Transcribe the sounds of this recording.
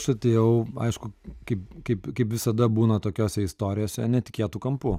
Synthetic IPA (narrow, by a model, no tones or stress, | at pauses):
ʃɐt̪ʲeːjɛʊɐ̰ɪʃkʊkɐɪpkɐɪpkɐɪpʋʲɪsɐd̪ɐbuːnɐt̪oːkʲoːsʲɛɪst̪oːɾʲɪjoːsʲɛnʲɛt̪ʲɪ̥kʲeːt̪ukɐmpʊ